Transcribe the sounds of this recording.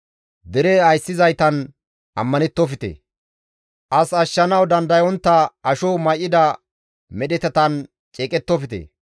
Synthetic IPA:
d̪ɪɾɛɐjsːɪzɐjt̪ɐn | ʔɐ̰mːɐnɛt̪ːɔfɪt̪ḛ | ʔɐsɐʃːɐnɐwd̪ɐnd̪ɐjɔnt̪ːɐɐʃɔmɐjɪd̪ɐ | mɛɗɛt̪ɛt̪ɐn | t͡ʃʼeːkʼɛt̪ːɔfɪt̪ḛ

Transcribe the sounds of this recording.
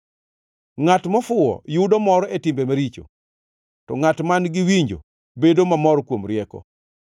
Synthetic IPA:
ŋatmɔfʊɔ̰jʊdɔmɔɾɔetɪmbemaɾit͡ʃo̰ | tɔŋatmanɡɪwiɲd͡ʒo̰ | bedomamɔɾɔkwomɾɪɛkɔ̰

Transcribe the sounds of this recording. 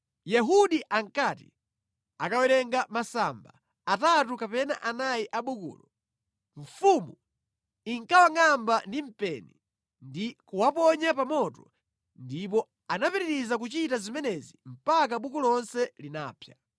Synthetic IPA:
jɛɦuɗiʔaŋkatḭ | akawɛɾɛŋɡamasamba̰ | atatukapɛnaʔanajiʔaɓukṵːlɔ | ɱ̩fumu | iŋkawaŋambandim̩pɛni | ndikuwapɔɲap̬amɔtɔ | ndipɔ | anapɛɾiɾizak̬ut͡ʃitazimɛnɛzim̩pak̬aɓukulɔnsɛlina̰ːpʰja

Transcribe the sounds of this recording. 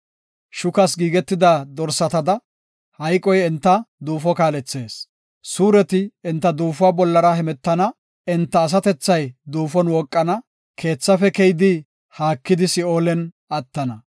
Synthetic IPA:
ʃʊkɐsɡiːɡɛt̪ːɪd̪ad̪ɔɾsɐt̪ɐd̪ɐ | hɐjkʼɔjɛnt̪ːɐd̪uːfɔkaːlɛt͡sːe̞ːs | suːɾɛt̪ɪɪnt̪ːɐd̪uːfʊwaːbɔlːɐɾɐhɛmɛt̪ːɐnɐ | ɪnt̪ːɐːs̬ɐt̪ɛt͡sːɐjd̪uːfɔnwɔkʼːɐnɐ | kʰe̞ːt͡sːɐfɛkɛjd̪ɪ | haːkːɪd̪ɪsɪoːlɛn | ɐt̪ːɐnɐ

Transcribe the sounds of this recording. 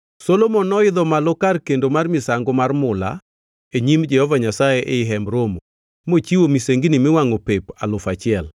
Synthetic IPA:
sɔlomɔnɔɪd̪ɔmalɔkarkendomarmɪsaŋɡomarmʊla̰ | eɲimd͡ʒɛhɔvaɲasajeʔeɪɦɛmɾomo | mot͡ʃiwomiseŋɡinimɪwaŋɔpepalʊfat͡ʃɪɛl

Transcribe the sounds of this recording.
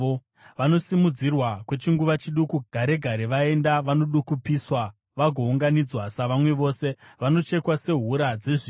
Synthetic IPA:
o | ʋano̞simud͡zirwakwe̞t͡ʃiŋɡuʋat͡ʃiɗukuɡ̥ʱaɾe̞ɡʱaɾeʋae̞ndaʋanoɗukupiswa | ʋaɡʱo̞uŋɡanid͡zwasaʋamwe̞ʋo̞ːse̞ʋano̞t͡ʃe̞kwase̞ɦuɾad͡zeʐi

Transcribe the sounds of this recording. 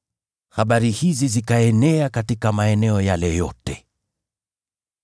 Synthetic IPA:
haɓaɾihizizikaɛnɛakatikamaɛnɛɔjalɛjɔtɛ

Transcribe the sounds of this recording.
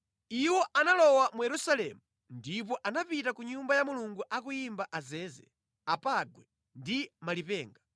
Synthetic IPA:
iwɔʔanalɔwamujɛɾusalɛ̰ːmu | ndip̬ɔʔanapitakuɲumbajamuluŋɡuʔakujimbaʔazɛːzɛ̰ | apaɡwɛ | ndimalipɛːŋɡa

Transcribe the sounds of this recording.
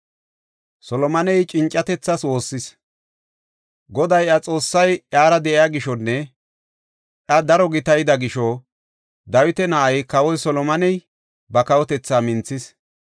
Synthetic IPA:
sɔlɔmɐnɛjt͡ʃʼɪnt͡ʃʼːɐt̪ɛt͡sːɐswo̞ːsːɪs | ɡɔd̪ɐjɐt͡sʼo̞ːsːɐjjaːɾɐd̪ɛʔɪjaɡɪʃɔnːɛ | ʔɐd̪ɐɾɔɡɪt̪ɐjɪd̪ɐɡɪʃɔ | d̪ɐwɪt̪ɛnɐʔɐjkɐwɔjsɔlɔmɐnɛj | bɐkɐwɔt̪ɛt͡sːaːmɪnt͡sːɪs

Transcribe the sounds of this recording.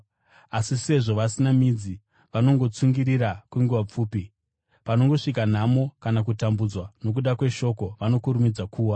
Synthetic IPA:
asise̞ʐo̞ʋasinamid͡zi | ʋano̞ŋɡo̞t͡suŋɡiɾiɾakweŋɡuʋap͡fuːpi | pano̞ŋɡo̞ʂikan̤amo̞kanak̬utambud͡zwano̞k̬uɗakwe̞ʃo̞ko̞ʋano̞kuɾumid͡zakʰuːwa

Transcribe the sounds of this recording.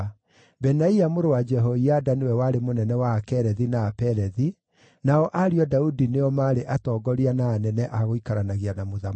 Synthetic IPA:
bɛnaiamoɾowad͡ʒɛɦɔiadanewɛwaɾemonɛnɛwaːkɛɾɛðinaːpɛɾɛði | naɔʔaɾiɔdaudineɔmaːɾeʔatɔːɡɔɾianaːnɛnɛʔaɣoikaɾanaɣianamoða

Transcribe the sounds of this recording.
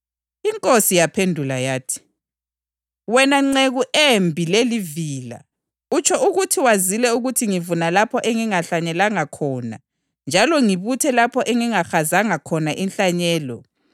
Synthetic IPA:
iŋkʼosijapʰendʱulajaːtʰi̥ | wɛnaŋ͡ǀeɣuʔembʱileliviːla̰ | ut͡ʃʰɔʔuɣutʰiwazilɛuɣutʰiŋivunalapʰɔʔɛŋiŋaɬaɲɛlaŋakʰɔːna̰ | nd͡ʒʱalɔŋiβutʰɛlapʰɔʔɛŋiŋaxazaŋakʰɔnaʔinɬaɲɛːlɔ̰

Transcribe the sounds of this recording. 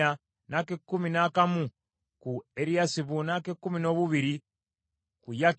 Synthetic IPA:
a | nakekːuminaːkamu | kueɾijasiβunakekːumino̞βuβiɾi | kuja

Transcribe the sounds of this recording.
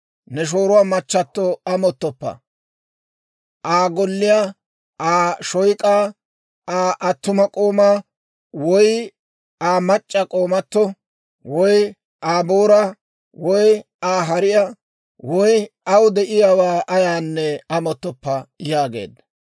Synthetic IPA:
nɛʃ̬o̞ːɾʊwaːmɐt͡ʃːɐt̪ːɔɐmɔt̪ːɔpːɐ̰ | ʔaːɡɔlːɪja | aːʃɔjkʼaː | aːʔɐt̪ːʊmɐkʼoːmaː | wɔj | aːmɐt͡ʃʼːɐkʼoːmɐt̪ːɔ | wɔj | aːboːɾɐ | wɔj | aːɦɐɾɪjɐ | wɔjɐwd̪ɛʔɪjawaːʔɐjaːnːɛɐmɔt̪ːɔpːɐjaːɡḛːd̪ɐ

